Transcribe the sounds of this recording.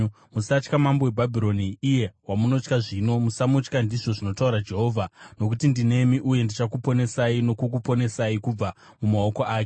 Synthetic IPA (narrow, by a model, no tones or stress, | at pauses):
musat͡ʃkamambowebʱabʱiɾo̞niːje̞wamuno̞t͡ʃkaʐino̞musamut͡ʃkandiʐo̞ʐino̞tauɾad͡ʒe̞ɦo̞ːvʱano̞k̬utindine̞miʔuje̞ndit͡ʃakupo̞ne̞saino̞kuk̬upo̞ne̞saikub͡va | mumao̞koʔaːke